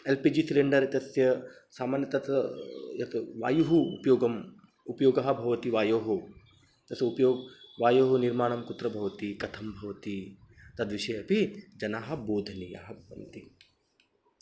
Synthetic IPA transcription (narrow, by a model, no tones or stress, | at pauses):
elpiːd͡ʒisileɳɖɐɾɐt̪ɐsjɐsaːmaːnjɐt̪ɐt̪jɐt̪ʋa̰ːjuɦṵːpɐjoːɡɐm | upɐjoːɡɐɦɐ̆bʱɐʋɐt̪iʋaːjoːɦu | t̪ɐsjɐupɐjoːɡʋaːjoːɦɐniɾmaːɳɐmkut̪ɾɐbʱɐʋɐt̪ikɐt̪ʰɐmbʱɐʋɐt̪it̪ɐd̪ʋiʃɐjɐpid͡ʒɐnaːɦɐ̆boːd̪ʱɐnija̰ɦɐbɐ̰nt̪i